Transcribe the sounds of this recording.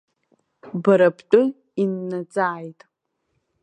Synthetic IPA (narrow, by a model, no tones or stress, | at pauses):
baɾapʰtʷʼʊ | inːad͡zʼaːjtʼ